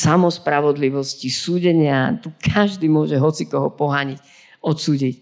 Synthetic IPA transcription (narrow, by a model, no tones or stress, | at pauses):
samɔspɾaʋɔd̪liʋɔscisuːɟɛɲɪat̪ukʰaʒd̪iːmʊɔʒɛɦɔt͡sikɔɦɔpɔɦaːɲic | ɔt̪suːɟic